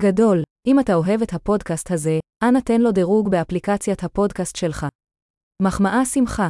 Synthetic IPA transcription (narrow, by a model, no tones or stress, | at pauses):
ɡado̞lʔimatao̞ɦe̞vethapo̞dkasthaze̞ʔanate̞nlo̞deʁuɡbeaplikat͡sjathapo̞dkastʃe̞lχa | maχmaʔasimχa